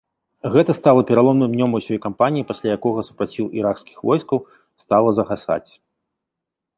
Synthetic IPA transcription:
ɣɛt̪ɐst̪alˠɐpʲɛɾalˠɔmnɨmnʲɔmɐwsʲɔjkampanʲijipasʲlʲajakɔɣɐsu̥pɾat͡sʲiwʔiɾakskʲi̥xvɔjskɐw | st̪alˠɐzɐɣasa̰t͡sʲ

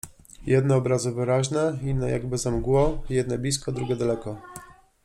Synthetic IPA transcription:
jɛd̪nɛɔbɾazɘvɘɾaʑnɛinːɛjaɡbɘzamɡwɔjɛd̪nɛbʲiskɔd̪ɾuɡʲɛd̪alɛkɔ

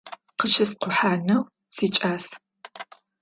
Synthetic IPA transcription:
qəʃɪsqʷʊħaːnɐw | siːt͡ʃʼaːs

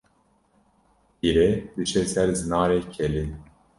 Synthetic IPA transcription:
iɾed̪ɨt͡ʃʰesɛɾzɨnaːɾeːcʰɛli

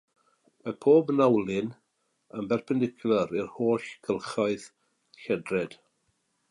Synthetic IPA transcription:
mapʰoːbnawlˠɪn | əmbɛrpʰɛndɪkʰjləɾɪrhoːɬɡ̥ʰəlˠχɔɨð | ɬɛdrɛd̥

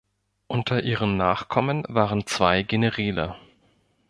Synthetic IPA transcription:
ʔʊntʰɐʔiːʁəmnaːχkʰɔmənvaːʁənt͡sv̥aɪɡenəʁiːlɐ̰

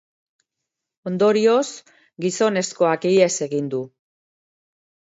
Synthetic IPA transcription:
o̞nd̪o̞ɾio̞s | ɡiso̞ne̞sko̞akie̞se̞ɣind̪u

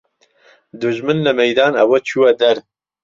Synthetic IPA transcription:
d̪ʊʒmɨnlɨmɛjd̪ɑːnɐwɐt͡ʃʰuwɐd̪ɐɾ

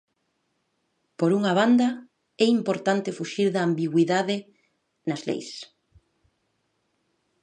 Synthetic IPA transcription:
poɾuŋɐβand̪ɐ | ɛimpoɾt̪ant̪ɪfuʃiɾðɐːmbiɣwiðaðɪ | nɐzlḛjs

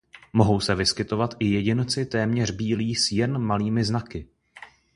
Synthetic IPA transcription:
mo̞ɦo̞wsɛvɪskɪt̪o̞vat̪ʔɪjɛɟɪnt͡sɪt̪ɛːmɲɛr̝biːliːsjɛnmaliːmɪznakɪ

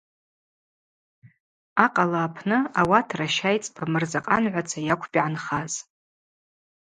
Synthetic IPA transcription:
aqʼalaːpʰnɨawatʰraʃajt͡sʼpʰamɨrzaqʼanʕʷat͡sʰajakʷʰpʼiʕanχaz

